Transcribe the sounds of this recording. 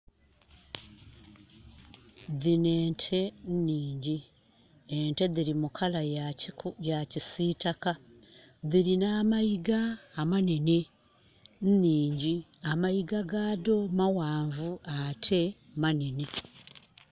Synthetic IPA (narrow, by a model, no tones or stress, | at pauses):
ðine̞ːntʰe̞nniːɲɟi | ente̞ðiɾimukʰala | jacisiːtaka | ðiɾinamajiɡaːmane̞ne̞ | nniːɲɟiamajiɡaɡaːdo̞mawaːɱvuatʰe̞ | manene